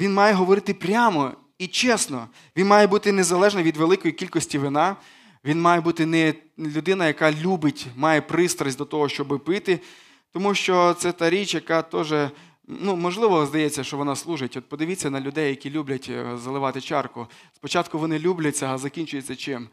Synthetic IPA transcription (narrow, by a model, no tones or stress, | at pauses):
ʋʲinmɑjɛɦɔʋɔɾɪt̪ɪpɾʲamɔ | it͡ʃɛsnɔ | ʋʲinmɑjɛbut̪ɪnezɐlˠɛʒnɐʋʲid̪ʋelˠɪkɔjikʲilʲkɔsʲtʲiʋɪnɑ | ʋʲinmɑjɛbut̪ɪnɛlʲʊd̪ɪnɐjɐkɑlʲubɪtʲmɑjɛpɾɪst̪ɾɐzʲd̪ɔt̪ɔɦɔʃt͡ʃɔbɪpɪt̪ɪ | t̪ɔmuʃt͡ʃɔt̪sɛt̪ɑɾʲit͡ʃjɐkɑt̪ɔʒɛ | numɔʒlˠɪʋɔzd̪ɐjɛt͡sʲːɐʃt͡ʃɔʋɔnɑslˠuʒɪtʲɔt̪̚pɔd̪ɪʋʲɪt͡sʲːɐnɐlʲʊd̪ɛjːɐkʲilʲublʲɐtʲzɐlˠɪʋɑt̪ɪt͡ʃɑrkʊspɔt͡ʃɑt̪̚kʊʋɔnɪlʲublʲɐt͡sʲːɐzɐkʲinʲt͡ʃʊjet͡sʲːɐt͡ʃɪm